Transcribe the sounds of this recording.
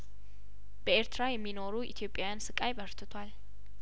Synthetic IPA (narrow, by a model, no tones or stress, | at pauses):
b̥əeɾt̪ʰɨɾajɛmːino̞ɾuʔḭt̪ʰjo̞pʼːjajansɨkʼajbəɾt̪ʰɨt̪ʰwal